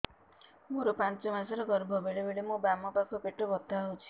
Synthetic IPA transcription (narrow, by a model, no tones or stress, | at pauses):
moɾopant͡ʃɔmasɔɾɔɡɔɾbʱɔbeɭebeɽemũbamɔpakʰɔpeʈobɔt̪aɦot͡ʃʰi̥